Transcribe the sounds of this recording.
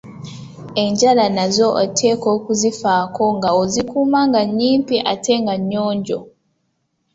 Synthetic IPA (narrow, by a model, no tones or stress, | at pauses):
e̞ɲɟalanazo̞ʔotʰe̞ːko̞ːkuzifaːko̞ŋɡaozikuːmaŋɡaɲːiːmpiʔatʰe̞ŋɡaɲːo̞ːɲɟo̞